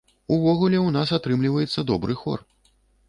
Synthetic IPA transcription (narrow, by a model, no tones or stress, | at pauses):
uvɔɣulʲɛwnasat̪ɾɨmlʲivɐjɛt̪sːɐd̪ɔbɾɨxɔ̰r